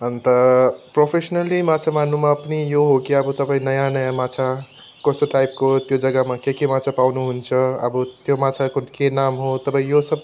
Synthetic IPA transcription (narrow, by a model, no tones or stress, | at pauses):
ɦʌnt̪ʌpropʰesnʌlimat͡sʰamanumaʌpnijoɦokiʌbʌt̪ʌpaĩnʌjanʌjamat͡sʰa | kʌst̪oʈajp̚kot̪jod͡zʌɡamakekemat͡sʰapawnuɦunt͡sʰʌʌ̰bʌt̪jomat͡sʰakokenamɦot̪ʌpaĩjosʌb̚